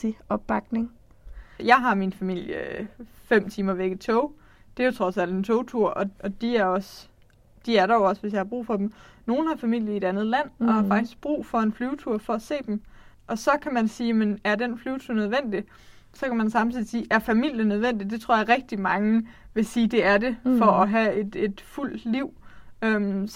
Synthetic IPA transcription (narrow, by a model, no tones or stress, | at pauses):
iɒ̽b̥b̥ɑ̈ɡ̥ne̝ŋ | jɑ̈ɪɦɑ̈minfæmil̰jəfem̰t͡sʰiːmɐʋeɡ̥ð̩ˠt͡sʰɔʊ | d̥e̝jo̝t͡sʰʁɒ̽sæl̰d̥ent͡sʰɔʊt͡sʰuɐ̰ʔɒ̽ʔɒ̽d̥iæɐɒ̽s | d̥iæɐɾɑjoɒ̽sʋe̝s̬jɑ̈ɪhɑ̈b̥ʁṵːfɒ̽d̥em̩no̝ːn̩hɑ̈fæmil̰jie̝d̥ænð̞̩ˠlæn̰ʔɒ̽hɑ̈fɑ̈ɡ̥d̥isɡ̥̚b̥ʁṵːfɒ̽e̝nflyːʊt͡sʰuɐ̰fɒ̽æse̝̰ːd̥em | ʔɒ̽sɒ̽kʰæmænsiːjemenæɐd̥enflyːʊt͡sʰuɐ̰nøð̞ˠʋen̰d̥i | sɒ̽kʰæmænsɑ̈mt͡sʰiðˠisiːʔæɐfæmil̰jənøð̞ˠʋen̰d̥id̥e̝t͡sʰʁo̝ɐ̰jɑ̈ʁɛɡ̥̚d̥imɑ̈ŋəʋe̝siːd̥e̝æɐde̝fɒ̽ɒɦæe̝d̥e̝d̥ful̰d̥liʊ̰øm